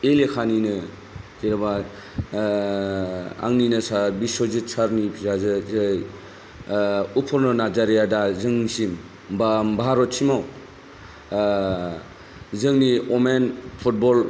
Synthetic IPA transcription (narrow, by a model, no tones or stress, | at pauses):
elekʰaninɯ | kiɾaba | a̰ŋninɯsabisɔzit͡ʃʰaɾnipʰizazɯzɯj | upʰɔɾnɔnad͡ʒaɾijadazɯŋisim | bambaaɾɔt͡ʃʰimaw | zɯŋniɔmenpʰut̚bɔl